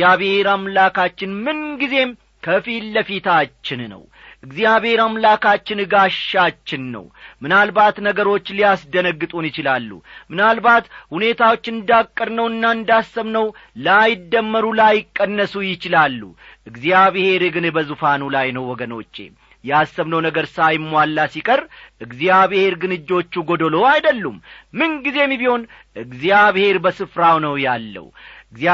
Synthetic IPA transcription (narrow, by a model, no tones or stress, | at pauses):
aβhe̞ɾamlakʰat͡ʃːɪnmɨnɡize̞m | kʰəfilːəfit̪ʰat͡ʃːɪnnə̰w | ʔɨɡzijaβhe̞ɾamlakat͡ʃːɪnɨɡaʃːat͡ʃːɪnːə̰wmɨnalbat̪nəɡəɾo̞t͡ʃːlijasd̪ənəɡːɨt̪ʼunjɪt͡ʃɪlalːṵmɨnalbat̪hune̞t̪ʰawo̞t͡ʃːɪnɨnd̪akʼːəɾnəwɨnːaɨnd̪asːəβnəwləajɪd̪ːəmːəɾulajɪkʼːənːəsujɪt͡ʃɪlalːṵʔɨɡzijaβhe̞ɾeɡɨnɨbəzufanulajnəwwɔɡəno̞t͡ʃʼːe̞̰ | jɛasːəβnəwnəɡəɾsajmːwalːasikʼərːʔɨɡzjaβhe̞ɾɡɨnɨd͡ʒːo̞t͡ʃːuɡod̪olo̞ajd̪əlːumːɨnɡize̞mːiβiho̞n | ʔɨɡzijaβhe̞ɾbəsɨfɾawnəwjalːə̰wɨɡza